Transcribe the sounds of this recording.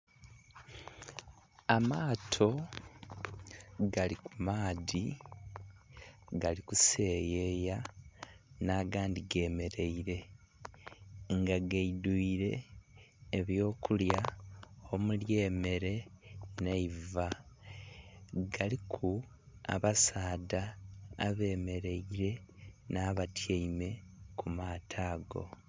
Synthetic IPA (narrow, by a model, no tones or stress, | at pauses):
amaːtʰo̞ | ɡalikumaːði | ɡalikuse̞ːje̞ja | naːɡaːndiɡe̞ːme̞ɾe̞iɾe̞ | ŋɡaɡaiduiɾe̞ː | βjo̞ːkuljaomulje̞ːme̞ɾe̞neiva | ɡalikʰu | a̰βasaːda̰ː | βe̞ːme̞ɾe̞iɾe̞naːβatʰjeime̞kʰumaːtʰaːɡo̞̰